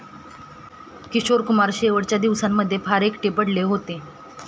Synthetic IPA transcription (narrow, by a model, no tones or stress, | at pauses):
kiɕoɾkumaɾɕeʋəɽt͡ɕjad̪iʋsamːəd̪ʱːjepʰaɾekʈepəɽleɦot̪e